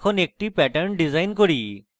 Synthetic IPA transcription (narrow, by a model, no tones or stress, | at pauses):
kʰɔnek̚ʈipɛʈəɾnɖizajnkoɹi